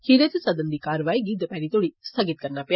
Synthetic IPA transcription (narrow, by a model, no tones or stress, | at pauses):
hiɾetesɐd̪ənd̪ikaːɾʋaːjɡid̪əpɛɾit̪oɽist̪ʰɐɡit̪̚kəɾnapja